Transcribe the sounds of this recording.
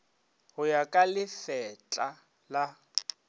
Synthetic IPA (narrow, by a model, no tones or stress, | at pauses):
ɦʊjakʼalɪfɛt͡ɬʼa | la